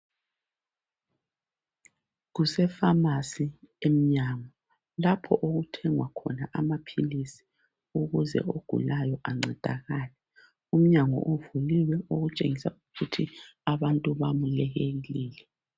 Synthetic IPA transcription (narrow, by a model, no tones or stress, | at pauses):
ɣusɛfamasiem̩ɲaŋɔ | lapʰɔʔoɣutʰɛŋwakʰɔ̰naʔamapʰilisi̥ | uɣuzɛ̰oɡ̥ʱṵlajɔʔaŋ͡ǀʱɛd̥ʱa̰ɣaːlɛ | um̩ɲaŋɔ̰ʔovuliwɛoɣut͡ʃʼeŋisauɣutʰiaβantʼuβamulɛɣeɣliːlɛ